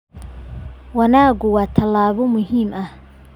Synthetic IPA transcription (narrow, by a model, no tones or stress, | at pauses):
wɑnaːɣʊwɑːt̪ʰɐlaːβɔmʊɦiːmɐh